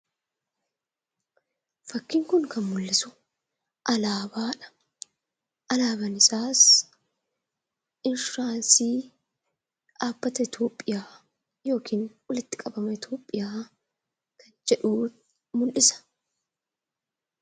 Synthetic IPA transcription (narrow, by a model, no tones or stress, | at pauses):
fɐkːɪŋkʊŋkɐnmʊlːɪsʊ | ʔɐlaːbaːᶑɐ̥ | ʔɐlaːbɐnɪsaːs | ʔɪnsʊɾaːnsiː | ʔaːb̥ːɐt̪ɐɪt̪oːpʼːɪjaː | jo̞ːkʰiːnwɔlɪt̪ːɪ̥kʼɐbɐmɐɪt̪o̞ːpʼːɪjaː | kɐnd͡ʒɛᶑuːt̪̚ | mʊlʔɪsɐ̥